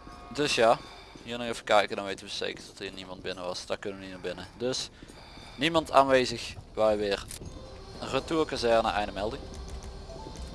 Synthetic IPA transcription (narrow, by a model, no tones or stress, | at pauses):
dɵsjaː | ɦinənəfəkɛjkədɑnʋejtənʋəsḛjkərtɑtiːnimɑntbɪnəʋɑsd̥ɑkɵnəʋəniməbɪnədɵs | nimɑntʰa̰ːnʋejzəxʋaʋɪːr | rətuːɹkazɛɹnə̰ʔɛ̰jnəmɛlˠdɪŋ